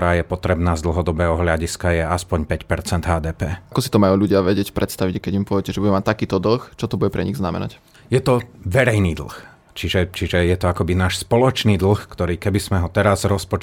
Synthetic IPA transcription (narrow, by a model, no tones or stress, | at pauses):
ɾaːjɛpɔt̪ɾɛbnaːzd̪l̩ɦɔd̪ɔbɛːɦɔɦʎaɟiskajɛaspɔɲpɛcpɛɾt͡sɛnd̪ɦaːd̪ɛːpɛːakɔsi̥t̪ɔmajuːʎuɟɪaʋɛɟɪɛcpɾʔɛt̪st̪aʋiɟɛkɛɟimpʊɔʋɟɛcɛʒɛbuɟumac̚ʲt̪akiːt̪ɔd̪l̩xt͡ʃɔt̪ɔbuɟɛpɾɛɲiɣznamɛ̰na̰c | jɛt̪ɔʋɛɾɛjniːd̪l̩x | t͡ʃiʒɛt͡ʃiʒɛjɛt̪ɔakɔbinaːʃspɔlɔt͡ʃniːd̪l̩xkt̪ɔɾiːkɛbizmɛɦɔt̪ɛɾazɾɔspɔt͡ʃ